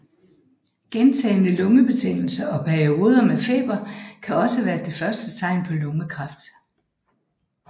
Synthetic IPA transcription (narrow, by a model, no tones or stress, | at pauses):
ɡ̥ent͡sʰɛ̰ːɪnəlɔ̽ŋəb̥e̝t͡sʰeŋ̰l̩sɐʔɒ̽pʰæɐio̝ːð̞ˠɐmefe̝̰ːb̥ɐkʰæɒ̽səʋæːɐd̥e̝fɶɐsd̥ət͡sʰɑ̈ɪ̰npʰɒ̽lɔ̽ŋəkʰʁɑ̈fd̥